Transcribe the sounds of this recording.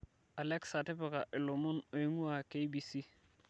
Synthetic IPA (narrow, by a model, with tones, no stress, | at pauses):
a˨lɛ˦ksa˨tɪ˦pɪ˨ka˨ʔɪ˨lʊ˨mʊ˦no˨i˦ŋu˦a˨ke˦jbi˨si˦